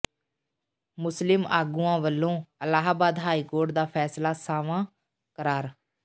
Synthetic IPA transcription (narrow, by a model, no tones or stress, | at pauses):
mʊslɪmaːɡuːãːʋəlːõːəlaːɦaːbaːd̪ɦaːiːkoːɾʈd̪aːpʰɛːslaːsaːʋãː | kəɾaːɾ